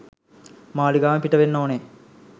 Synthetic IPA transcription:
maːliɡaːʋɐpiʈɐʋenːoːne

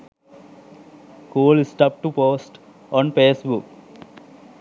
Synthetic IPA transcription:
koːlisʈʌp̚ʈupoːsʈ | ɔ̃npeːsbuk

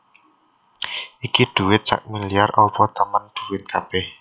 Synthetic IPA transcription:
ʔikid̪̥ṳwɪt̪̚sa̰k̚miliarʔɔpɔt̪əmənd̪̥ṳwɪt̪̚kʰab̥ɛh

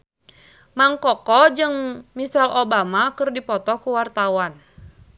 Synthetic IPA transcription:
maŋkɔkɔd͡ʒɨŋmisalobamakɨrdipɔt̪ɔkuwart̪awan

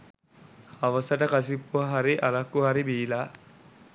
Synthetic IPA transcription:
ɐʋɐsɐʈɐkɐs̬ipːuʋɐɦaɾiʔɐlɐkːuɦaɾibiːlaː

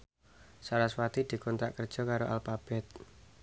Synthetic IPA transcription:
saɾaswat̪id̪̥i̤kɔnt̪ɾaʔkərd̥ʒ̥ɔ̤kaɾoʔalfab̥ɛt̪̚

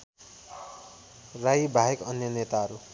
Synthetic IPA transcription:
raibʱaekʌnjʌnet̪aɦʌɾu

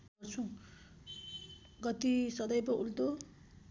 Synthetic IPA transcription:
ʌrt͡sʰũ | ɡʌt̪isʌd̪ʌjpʌult̪o

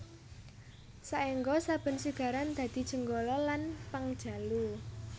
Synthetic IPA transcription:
saʔeŋɡɔsab̥ə̤nsiɡ̥a̤ɾand̪̥ä̤d̪̥i̤d̥ʒ̥ə̤ŋɡolɔlanpaŋd̥ʒ̥a̤lu

